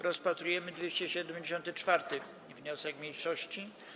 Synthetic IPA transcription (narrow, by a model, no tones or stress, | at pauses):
ɾɔspat̪ɾujɛmɘd̪vʲjeɕt͡ɕɛɕɛd̪ɛmʲd͡ʑeɕɔnt̪ɘt͡ʂfaɾt̪ɘ | vɲɔsɛkmʲjejʂɔɕt͡ɕi